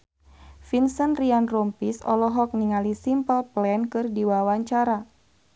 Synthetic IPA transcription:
finsənrianrɔmpisɔ̰lɔɦɔk̚niŋalisimpəlplɛnkɨrdiwawaɲt͡ʃaɾa

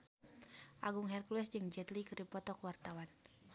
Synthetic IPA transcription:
ʔaɡuŋɦɛrkluɛsd͡ʒɨŋd͡ʒɛt̪likəɾipɔt̪ɔkəwart̪awan

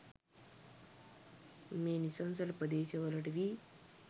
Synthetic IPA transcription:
meːnisɐnsɐlpɐd̪eːsɐʋɐlɐʈʋi

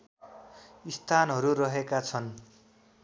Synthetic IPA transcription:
ist̪ʰanɦʌɾurʌɦekat͡sʰʌn

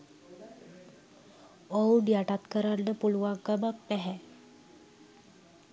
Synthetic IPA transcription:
owɖijaʈat̪kəɾanɖəpuluʋaŋkəmakpɛɦɛ

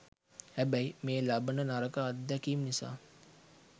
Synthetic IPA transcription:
hæbæjmeːlabənənaɾəkaːd̪d̪ɛkiːmnisa̰ː

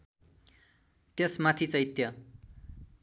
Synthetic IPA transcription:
t̪jesmat̪ʰit͡sʌjit̪jʌ

